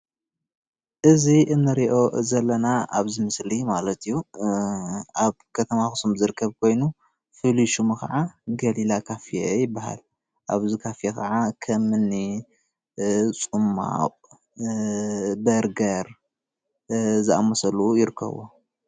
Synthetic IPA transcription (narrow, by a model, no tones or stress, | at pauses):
ʔɨziʔɨnːɨɾiʔo̞zɐlːɐnaʔa̰βzɨmɨslimalɐt̪ijːu | ʔaβkʰɐt̪ʰɐmaxɨ̥sumzɨɾɨkʰːɐβkʰo̞jnu | fɨliʃumxɐ̰ʕaɡɐlilakʰafijejɪbːaha̰l | ʔaβzikʰafjekɐʕakʰɐmɨni | t͡sʼɨmːa̰qʼ | bɐɾɡɐɾ | zɨʔamːɐsɐlujɪɾɨkʰːɐ̰βo̰